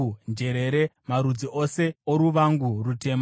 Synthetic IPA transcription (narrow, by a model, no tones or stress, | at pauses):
nd͡ʒe̞ɾeɾe̞maɾud͡ziʔo̞se̞oɾuʋaŋɡurute̞m